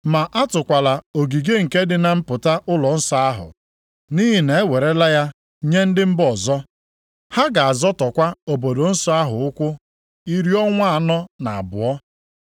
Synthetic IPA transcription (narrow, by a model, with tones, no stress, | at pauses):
ma˨ʔa˦tʊ˨kʷa˨la˨o˨ɡi˨ɡe˦ŋ̩˨ke˦dɪ˦na˨m̩˦pʊ˨ta˦ʔʊ˦lɔ˨n̩˦sɔ˦a˦ɦʊ̰˨ | ni˦ɦi˨ne˨e˦we˨ɾe˦la˦ja˦ | ɲe˦n̩˦dɪ˦m̩˦bɔ˨zɔ˦ | ha˦ɡa˨a˨zɔ˦tɔ˨kʷa˦o˨bo˨do˨n̩˦sɔ˦a˦ɦʊ˨ʊ˦kʷʊ˦ | i˦ɾi˦ɔ˦ŋʷa˦a˨nɔ˦na˨a̰˨bʊ̰˨ɔ˦